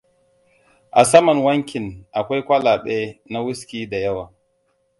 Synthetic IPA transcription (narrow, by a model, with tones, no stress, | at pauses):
ʔa˨sɐ˦mɐ˨nwɐ˦ŋkʲɪ˨nʔa˨kʷa˦jkʷɐ˦laː˨ɓe˦na˦wʊ˦skʲiː˦da˨jɐ˦waː˨